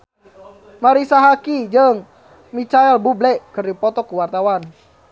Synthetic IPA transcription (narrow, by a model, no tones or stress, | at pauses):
maɾisaɦakid͡ʒəŋ | mit͡ʃaɛlbublɛkɨrdipɔt̪ɔkuwart̪awan